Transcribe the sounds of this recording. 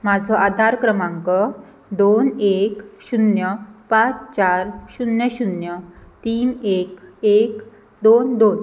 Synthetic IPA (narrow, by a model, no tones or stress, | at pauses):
mad͡zʱɔʔad̪ʱaɾkɾəmãŋkɔ | d̪onekɕunjəpãt͡st͡ɕaɾɕunjəɕunjət̪iːnekek | d̪ond̪on